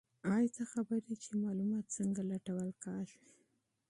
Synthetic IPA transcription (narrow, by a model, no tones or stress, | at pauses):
ɑjt͡s̪axabəɾit͡ʃemɑlumɑt̪̚t͡səŋɡalaʈawəlkɑʃi